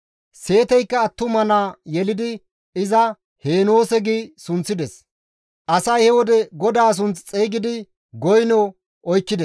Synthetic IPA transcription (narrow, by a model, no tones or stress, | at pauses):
se̞ːt̪ɛjkːɐːt̪ːʊmɐnaːjɛlɪd̪ɪ | ɪzɐ | he̞ːnoːsɛɡɪsʊnt͡sːɪd̪ɛs | ʔɐsɐjhɛwɔd̪ɛɡɔd̪aːs̬ʊnt͡st͡sʼeːɡɪd̪ɪ | ɡɔjnɔ | ɔjkːɪd̪ɛ